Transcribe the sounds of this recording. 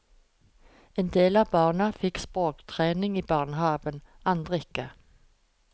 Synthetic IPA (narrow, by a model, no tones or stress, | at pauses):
eːnd̪eːlɑːʋbɑːʁnəfɪkspʁoːkt̪ʰʁeːnɪŋiːbɑːʁnəhɑːʋənɑnd̪ʁəɪkə